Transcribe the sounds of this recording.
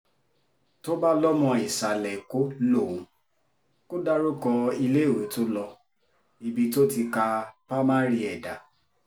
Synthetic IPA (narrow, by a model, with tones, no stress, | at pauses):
to˦ba˦lɔ˦mɔ̃˧i˨sa˨lɛ˨ko˦lo˦˨wũ˨˦ | ko˦da˦ɾo˦kɔ˧i˧le˦˨wo˨˦to˦lɔ˧ | i˧bi˧to˦ti˧ka˧pa˦mã˦ɾi˧ɛ˨da˨